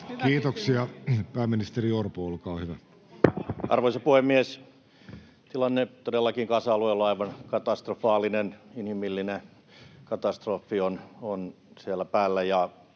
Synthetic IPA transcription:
kiːt̪oksiɑpæːmːinist̪eriorpoolkɑːhyʋæ | ʔɑ̰rʋoisɑpuhemmːies | t̪ilɑnːet̪odelːɑkiŋkɑsɑːluelːoɑiʋɑnkɑt̪ɑst̪rofɑːlˑineninhimilːine | kɑt̪ɑst̪roːfːionon | sielːæpæːlːæjɑ

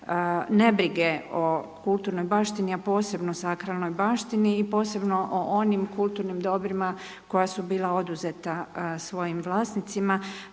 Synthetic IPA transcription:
ne̞bɾiɡe̞o̞kulˠt̪uːɾno̞jbaːʃt̪iniapo̞ːse̞bnosakɾalno̞jbaːʃt̪iniːpo̞ːse̞bno̞ʔoʔonimkulˠt̪uːɾnimd̪o̞bɾima | ko̞jasubiːlˠao̞d̪uzet̪asʋo̞jimʋlˠaːsnit̪sima

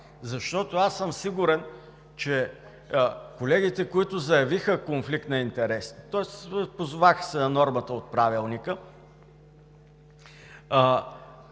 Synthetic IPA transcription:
zɐʃt̪ɔt̪oasːɤmsiɡʊɾɛn | t͡ʃɛ | kolɛɡit̪ɛkoit̪ʊzɐjɐvixəkonflik̚t̪nɐint̪ɛɾɛst̪ɔɛspozʊvaxsɛnɐnɔɾmət̪əot̪̚pɾavilˠnikə

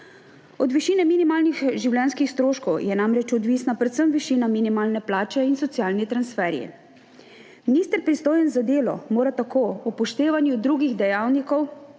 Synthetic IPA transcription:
ɔd̪ʋiʃiːnɛminimaːlnixʒiwlʲɛnskixst̪ɾoːʃkɔwjɛnamɾɛt͡ʃɔd̪ʋiːsnapɾɛt̪səmʋiʃiːnaminimaːlnɛplaːt͡ʃɛinsɔt̪jaːlnit̪ɾansfɛːɾjḭ | miniːst̪əɾpɾist̪oːjɛnzad̪eːlɔ̰moːɾat̪akoːɔpɔʃt̪eːʋanjud̪ɾuɡiɣd̪ɛjaːwnikɔw

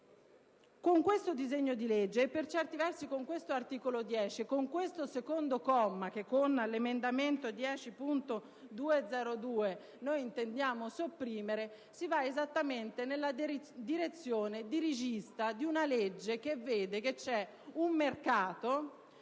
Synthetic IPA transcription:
koŋkwest̪od̪izeɲːod̪iled͡ʒːeːpːert͡ʃɛrt̪ivɛrsikoŋkwest̪oart̪iːkolod̪jɛːt͡ʃikoŋkwest̪osekond̪okɔmːak̟ekːonlemend̪ament̪od̪jɛːt͡ʃipunt̪o | d̪uːed̪zɛːɾod̪uːe | nojint̪end̪jaːmosopːɾiːmeɾe | sivaezat̪ːament̪enelːad̪iɾet̪sːjoːned̪iɾid͡ʒist̪ad̪iunaled͡ʒːekevːeːd̪eket͡ʃːɛ | ummːerkaːt̪o

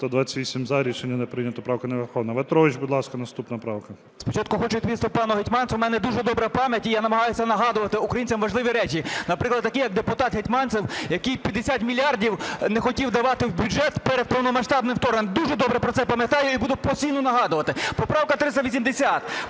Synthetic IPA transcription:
t̪ɔd̪ʋɑt͡sʲɐ̥t̪ʲʋʲisʲimzɑɾʲit͡ʃenʲːɐnɛpɾɪnʲɐt̪ɔpɾɑwkɐneʋɪɾxɔʋnɐʋɛt̪ɾɔɪʒʲbud̪lˠɑskɐnɐst̪upnɐpɾɑwkɐ | spɔt͡ʃɑt̪kʊxɔt͡ʃʊt̪ʲʋʲist̪ɪpɑnʊɦetʲmɑnswmɛnɛd̪uʒɛd̪ɔbɾɐpɑmʲjɐtʲijanɐmɐɦɑjʊsʲɐnɐɦɑd̪ʊʋɐt̪ɪʊkɾɐjinʲt͡sʲɐmʋɐʒlˠɪʋʲiɾɛt͡ʃʲinɐpɾɪklˠɐd̪t̪ːɐkʲijɐk̚d̪epʊt̪ɑt̪ɦetʲmɑnsɪwjɐkijpʲɐd̪esʲat̪mʲilʲiɑrdʲiwnexɔtʲiwd̪ɐʋɑt̪ɪwbʲud͡ʒɛt̪peɾepɔwnɔmɐʃt̪ɑbnɪwt̪ɔɾnend̪uʒɛd̪ɔbɾɛpɾɔt̪sɛpɐmʲjɐt̪ɑjʊibud̪ʊpɔsʲijnʊnɐɦɑd̪ʊʋɐt̪ɪpɔpɾɑwkɐt̪ɾɪst̪ɐʋʲisʲimd̪esʲat̪

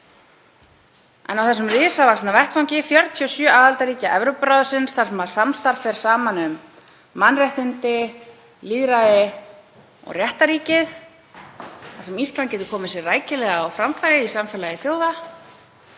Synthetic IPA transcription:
ɛ̰nawθɛsʏmrɪːsavakstnavɛht̪fawŋcɪfjɔɾt̪ʰiɔsjœːaːðalt̪aɾiːcaʔɛvɾowpɾaːðʏsɪnsθaɾsɛmaɾ̥samst̪aɾ̥fɛɾ̥saːmanʏmː | anːrɛht̪ɪnt̪ɪ | liːðɾaðɪ | ɔ̰ɣrjɛht̪aɾiːcɪð | asɛmist̪lancɛːt̪ʏ̥kʰɔːmɪsjɛraːjcɪlɛɣaɔwfɾamfajɾɪisamfɛlaðɪθjoːwða

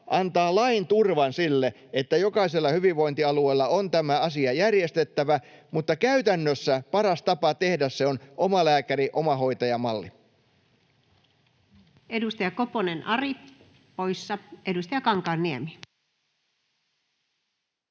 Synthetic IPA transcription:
ʔɑnt̪ɑːlɑint̪urʋɑnsilːe | et̪ːæjo̞kɑiselːɑhyʋiʋːo̞int̪iɑlue̞ːlːɑont̪æmæɑsiɑjærje̞st̪e̞t̪ːæʋæmut̪ːɑkæyt̪ænːøsːæpɑɾɑst̪ɑpɑt̪e̞hdæsseonʔo̞mɑlæːkæɾiʔo̞mɑɦo̞jt̪ɑjɑmɑlːi | edust̪ɑjɑkoponenɑri | pojsːɑʔedust̪ɑjɑkɑŋkɑːnːiæmi

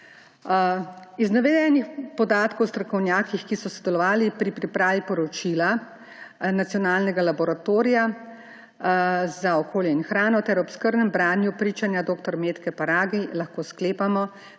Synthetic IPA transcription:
iznaʋɛd̪ɛnixpɔd̪aːt̪kɔwst̪ɾɔkɔwnjaːkixkisɔsɔd̪ɛlɔʋaːlipɾipɾipɾaːʋipɔɾɔt͡ʃila | nat̪sijɔnaːlnɛɡalabɔɾat̪oːɾija | zaɔkoːljɛinxɾaːnɔt̪ɛɾɔbskəɾd̪nɛmbɾaːnjupɾiːt͡ʃanjad̪oːkt̪ɔɾmeːt̪kɛpaɾaːɡilaxkoːskleːpamɔ

